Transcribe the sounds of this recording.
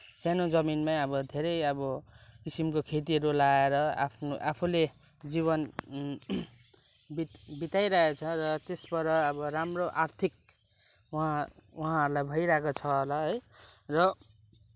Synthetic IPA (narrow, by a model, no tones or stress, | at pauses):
senod͡zʌminmaʌbʌd̪ʱeɾʌjʌbʌ | kisimkokʰet̪̬iɦʌɾulaeɾʌa̰pʰnoʔapʰule | d͡ziβʌn | bibit̪ajɾʌɦet͡sʰʌɾʌt̪esbʌɾʌʌbʌɾamroʔart̪ʰik̚uɦãuɦãɦʌɾulajbʱʌjɾaɦekot͡sʰʌɦolʌɦʌjrʌ